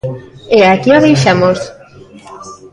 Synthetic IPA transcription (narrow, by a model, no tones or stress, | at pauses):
eakiɔðejʃamos